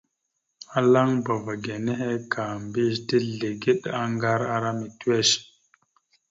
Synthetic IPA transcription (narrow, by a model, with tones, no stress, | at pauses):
a˨la˦ŋba˨va˨ɡe˨ne˦he˦ka˨mbi˦ʃti˦ɮe˨ɡi˦ɗa˦ŋɡa˦ɾa˦ɾa˦mi˨tu˦we˦ʃ